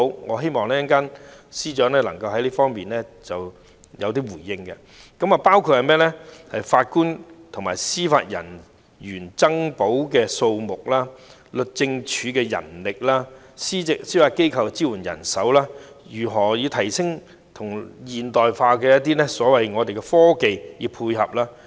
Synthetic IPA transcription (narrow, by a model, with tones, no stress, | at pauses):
o˥wŋɔː˨˧ɦe˥jmɔː˨ŋlɛː˥jɐ˥nkaː˥nsiː˥t͡ʃœː˨˥ŋlɛː˥lɐ˨˩ŋkɐ˧wɦɐ˨˥jliː˥fɔː˥ŋmiː˨nlɛ˥t͡sɐ˨w | jɐ˨˧wt̪iː˥wuː˨˩jːɪ˧ŋkɛ˧ | kɐ˨˥ma˨paː˥wkʰu˧t̚hɐ˨jmɛː˥lɛ˥hɐ˨jfaː˧t̚kuː˥nt̪ʰʊ˨˩ŋmaː˨˩jsiː˥fa̰ː˧t̚jɐ̰˨˩n | jyː˨˩nt͡sɐ˥ŋpo˨˥wkɛː˧so˧wmʊ˨k̚laː˥ | lɵ˨t̚t͡sɪ˧ŋt͡ʃʰyː˨˧kɛː˧jɐ̰˨˩nlɪ˨k̚laː˥siː˥ɪ˨ksiː˥faː˧t̚ke˥jkʰɐ˨wt͡siː˥wu˨˩njɐ̰˨˩nsɐ˨˥wlaː˥ | jyː˨˩ɦɔː˨˩jiː˨˧wt̪ʰɐ˨˩jsɪ˥ŋ | t̪ʰʊ˨˩ŋjiː˨nt̪ɔː˨jfaː˧kɛː˧jɐ˥t̚t̪̬iː˥nɛ˥sɔː˨˥wɐ˨jŋɔː˨˧t̪e˨jkɛ˧fɔː˥ke˨˧jjiː˨˧pʰuː˧jɦɐ˨p̚laː˥